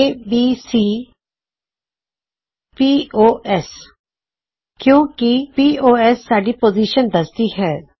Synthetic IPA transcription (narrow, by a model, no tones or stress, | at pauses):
eːbiːsiː | piːoːʔɛs | kjõːkipiːoːɛsːaːɖipoːziːʃənd̪ɐst̪iɦɛː